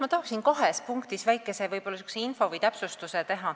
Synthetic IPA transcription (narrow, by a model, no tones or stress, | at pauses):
mɑt̪ɑɦɑksinkɑɦespuŋkt̪isvæjkːˑe̞se̞vɤjbo̞lːɑsy̥kseinfo̞vɤjt̪æpsust̪uset̪e̞ɦɑ